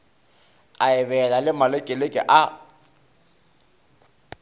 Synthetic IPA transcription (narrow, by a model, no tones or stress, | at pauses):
aɪβɛlalɪmalekʼelekʼɪ̰ʔa